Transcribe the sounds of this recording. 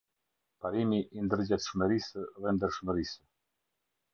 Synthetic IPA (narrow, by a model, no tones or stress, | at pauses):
paɾimiʔind̪əɾd͡ʑat̪ʃməɾisəðɛnd̪əɾʃməɾisə